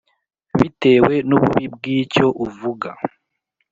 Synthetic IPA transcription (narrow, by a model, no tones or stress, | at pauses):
βite̞we̞nuβuβib̚ɡiːco̞ʔuvuɡa